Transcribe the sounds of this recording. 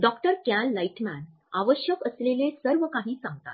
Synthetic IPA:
ɖɔkʈəɾkjanlaiʈmæn | aʋəɕjəkəslelesəɾʋəkaɦiːsãŋɡt̪a̰t̪

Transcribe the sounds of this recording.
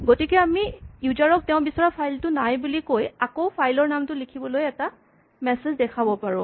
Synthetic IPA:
ɡotikɛamijuzaɹɔk̚tɛʊ̃bisɔɹapʰajltʊnajbulikojakowpʰajlɔɹnamtʊlikʰibɔlojɛta | mɛsezdɛkʰabɔpaɹʊ̃

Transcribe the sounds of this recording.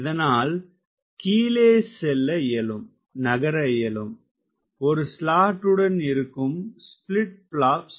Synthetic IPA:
ɪðɐnaːl | kiːleːsɛlːɐɪjɐlɯm | nɐɣɐɾɐɪjɐlɯm | ɔɾɯslaːʈːɯɽɐnɪɾɯkːɯmsplɪʈ̚pɭaːps

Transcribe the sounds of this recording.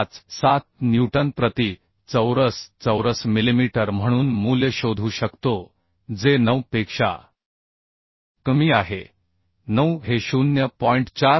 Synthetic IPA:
t͡ssat̪̚njuʈənpɾət̪i | t͡səwɾəst͡səwɾəsmilimiʈəɾm̤əɽ̃uːnmuljəɕod̪ʱuːɕəkt̪o | d͡zenəwpekʂa̰ | kəmiːaɦe | nəwɦeɕunjəpɔiɳʈt͡ɕa

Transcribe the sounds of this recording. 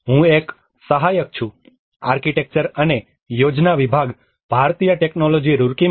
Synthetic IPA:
ɦũek | səɦajək̚t͡ʃʰũ | a̰ɾkiʈek̚t͡ʃəɾəne | jod͡ʒnaʋibʱaɡ | b̥ʱaɾt̪ijəʈeknolod͡ʒiɾuɾki

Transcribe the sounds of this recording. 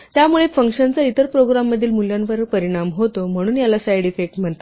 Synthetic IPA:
t̪jamuɭefəŋkʂənt͡səit̪əɾpɾoɡɾamːəd̪ʱiːlmuljãnʋəɾpəɾiɽ̃amɦot̪om̤əɽ̃uːnjalasajɽifek̚ʈm̤əɳt̪a

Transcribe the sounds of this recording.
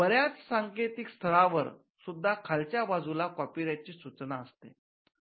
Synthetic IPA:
bəɾjat͡ssaŋket̪ikst̪ʰəɾaʋəɾ | sud̪ʱːakʰalt͡ɕjabad͡zulakɔpiɾat͡ɕiːsut͡snaəst̪ḛ

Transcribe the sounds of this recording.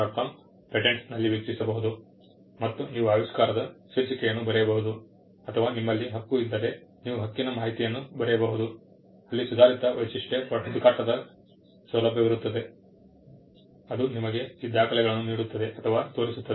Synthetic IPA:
aʈpʰɐm | pɾeʈeɳsnɐlːiʋjɐkt͡ʃisɐbɐɦud̪u | mɐt̪ːuniːʋuaːjɐskaːɾɐd̪ɐseːt͡ʃikɛjɐnːubɐɾɛjɐbɐɦud̪u | ɐt̪ʰɐʋaːnimːɐlːiɦɐkːuid̪ːɐɾe̞niːʋuɦɐkːinɐmaːɦit̪ijɐnːubɐɾɛjɐbɐɦud̪u | ɐlːisud̪ʱaːɾit̪ɐʋɐt͡ʃiʂʈepɐʈud̪ukaːʈːɐd̪ɐ | sʋɐlɐbʱjɐʋiɾut̪ːɐd̪e̞ | ɐd̪unimɐɡe̞sid̪ʱːaːkɐlɛɡɐɭɐnːuniːɽut̪ːɐd̪e̞ʔɐt̪ʰɐʋaːt̪o̞ːɾisut̪ːɐ

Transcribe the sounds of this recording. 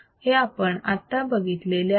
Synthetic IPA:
heapəɳat̪ːabəɡit̪lele

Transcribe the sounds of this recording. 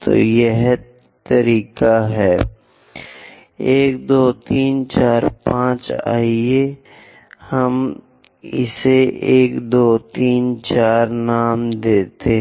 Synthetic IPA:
t̪o̰jeɦ | t̪ɐɾiːkaɦɛː | eːkd̪oːt̪iːnt͡ʃaːɾpãːt͡ʃa̰ːɪe | hɐm | ɪ̰seʔeːkd̪oːt̪iːnt͡ʃaːɾnaːmd̪eːt̪eɦ

